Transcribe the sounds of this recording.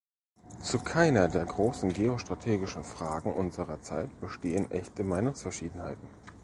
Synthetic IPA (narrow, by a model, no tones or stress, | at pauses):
t͡sukʰaɪnɐdeːɐɡʁoːsn̩ɡeːoʃtʁ̥atʰeːɡɪʃn̩fʁ̥aːɡŋ̩ʔʊnzəʁɐt͡sa̰ɪtb̥əʃteːənʔɛçtəmaɪnʊŋsfɛɐʃiːdn̩haɪtn̩